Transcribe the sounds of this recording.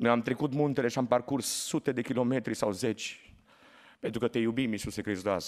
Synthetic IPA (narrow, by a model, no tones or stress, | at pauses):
nojamt̪ɾekut̪munt̪eleʃamparkursːut̪ed̪ekilomet̪ɾisawzet͡ʃ | pent̪ɾukət̪ejubimisusekɾezd̪az